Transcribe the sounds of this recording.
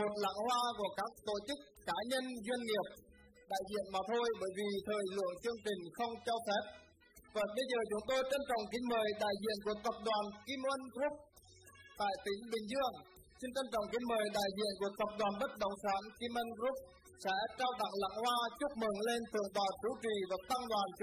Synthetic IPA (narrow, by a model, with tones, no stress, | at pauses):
mo˨˩t̚la̰˧˥ŋhwaː˧ku˧˩əkaː˦˥k̚t̪o̰˧˨t͡ɕɨ˦˥k̚ːaː˨˦ɲə˧nzwi˧ənŋi˨˩əp̚ | ɗa̰ː˧˨jzḭ˧˨ənmaː˨˩t̪ʰo˧jɓəː˧˩jvi˨˩t̪ʰəː˨˩jlɨ̰˧˨əŋt͡ɕɨ˧əŋt͡ɕï˨˩ŋ̟xə˧wŋ͡mt͡ɕɔ˧wfɛ˦˥p̚ | vəː˨˩ɓə˧jzəː˨˩t͡ɕʊ˨˦ŋ͡mt̪o˧jt͡ɕə˧nt͡ɕɔ̰˧˨wŋ͡mki˧˥məː˨˩jɗa̰ː˧˨jzḭ˧˨ənku˧˩ət̪ə˨˩p̚ɗwaː˨˩nki˧m˧ə˧nɣɾu˦˥p̚ | t̪a̰ː˧˨jt̪ï˨˦ŋ̟ɓï˨˩ŋ̟zɨ˧əŋ | si˧nt͡ɕə˧nt͡ɕɔ̰˧˨wŋ͡mki˧˦məː˨˩jɗa̰ː˧˨jzḭ˧˨ənku˧˩ət̪ə˨˩p̚ɗwaː˨˩nɓə˦˥t̚ɗə˨˩wŋ͡msaː˨˦nki˧mə˧nɣɾu˦˥p̚ | sɛ̰˧˥t͡ɕaː˧wt̪a̰˧˨ŋla̰˧˥ŋhwaː˧t͡ɕʊ˦˥p̚mɨ˨˩˦ŋle˧nfʰɨ˨˩əŋt̪ɔ̰˧˨˩t͡ɕu˨˦t͡ɕi˨˩vaː˨˩t̪a˧ŋɗwaː˨˩nt͡ɕ